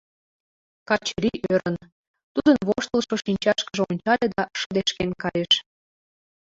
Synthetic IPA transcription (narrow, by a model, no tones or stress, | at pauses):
kɑt͡ɕeɾiʔøɾən | t̪ud̪ənβoʃt̪əlʃoʃinʲt͡ɕɑʃkəʒeonʲt͡ɕɑlʲed̪ɑʃə̆d̪eʃkenkɑjeʃ